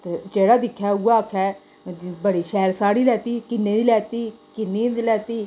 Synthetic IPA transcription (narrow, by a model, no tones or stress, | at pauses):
t̪eːd͡ʒeːɽaːd̪ɪkʰːɛːʊɡaːkʰɛː | bəɽiːʃɛːlsaːɽiːlɛːt̪iːkɪnːẽːd̪iːlɛːt̪iːkɪnːĩːd̪iːlɛːt̪iː